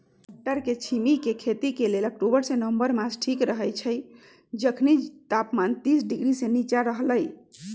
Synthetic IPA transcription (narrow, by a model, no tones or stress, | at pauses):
ʈəɾket͡ʃʰimikekʰet̪ikelelək̚ʈobəɾsẽnəmbəɾmasʈʰikɾəɦəjt͡ʃʰəj | d͡ʒəkʰnit̪apmant̪isɖiɡɾisẽnit͡ʃaɾəɦləj